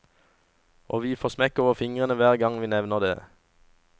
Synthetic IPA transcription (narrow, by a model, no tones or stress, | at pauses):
ʔoːʋiːfoːʁsmɛkoːʋəʁfɪŋʁənəʋæːʁɡɑŋʋiːnɛʋnəʁd̪ḛː